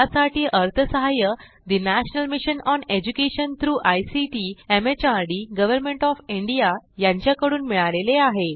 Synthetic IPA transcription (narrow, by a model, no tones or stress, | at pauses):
asaʈʰiːʔəɾt̪ʰəsəɦajə | d̪inæɕnəlmiɕənɔned͡ʑukeɕənt̪ʰɾuːʔajsiʈiemet͡ɕaɾɖiɡəʋəɾmeɳʈɔfiɳɖijajãɲt͡ɕjakəɽuːnmiɭaleleaɦe